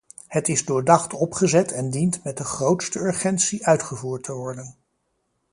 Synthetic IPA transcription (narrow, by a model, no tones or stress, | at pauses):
hətɪzdʊːɹdɑχtɔpχəzɛtʰɛndintmɛt̚dəχrowtstəɵɹχɛntsiʔœɥtχəvuːɹtʰəʋɔɹdən